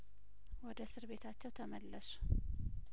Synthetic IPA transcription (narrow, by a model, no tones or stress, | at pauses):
wɔd̪əsɨɾβe̞t̪ʰat͡ʃːɛwt̪ʰəməlːəsu̥